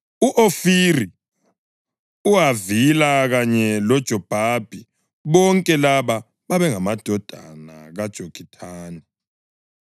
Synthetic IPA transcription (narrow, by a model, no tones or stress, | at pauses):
uʔofiri | uwavilaɣaɲɛlɔd̥ʒ̥ʱɔb̥ʱab̥ʱi | βɔŋkʼɛlaβa | βaβɛŋamad̥ʱɔd̥ʱana̰ɣad̥ʒ̥ʱoɡ̥ʰʱitʰaːnɛ